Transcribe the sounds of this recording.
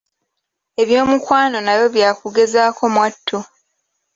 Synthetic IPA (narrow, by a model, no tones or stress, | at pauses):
e̞βjo̞ːmukwaːno̞najo̞βjaːkuɡe̞zaːkʰo̞mwatʰːu